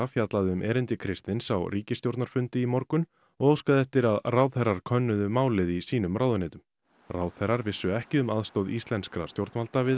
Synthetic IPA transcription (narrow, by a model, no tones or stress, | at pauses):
afjat̪laðɪʏmʔɛːɾɪnt̪ɪkʰɾɪst̪ɪnsawriːcɪst̪jowɾt̪naɾ̥fʏnt̪ɪimɔɾkʏn | ɔoːwskaðɛft̪ɪɾaðrawðθɛɾːaɾ̥kʰœnːʏðʏmaːwlɪðisiːnʏmraːwðʏnɛːt̪ʏm | rawðθɛɾaɾvɪsːʏɛhcɪʏmaðst̪owðist̪lɛnskɾa̰st̪jowɾt̪nmalt̪avɪ